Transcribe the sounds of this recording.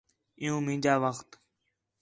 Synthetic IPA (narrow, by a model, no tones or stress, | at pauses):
ɪ̃jũːmɪ̃ːd͡ʒaːʋəxt̪